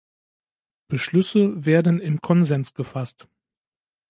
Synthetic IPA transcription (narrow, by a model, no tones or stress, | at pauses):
b̥əʃlʏsəveːɐdn̩ɪmkʰɔnzɛnsɡ̥əfast